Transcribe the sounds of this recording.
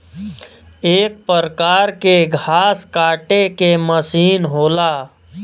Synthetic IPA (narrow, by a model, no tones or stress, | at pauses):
eːk̚pəɾkaːɾkeɡʱaːskaːʈekeməsiːnɦoːlaː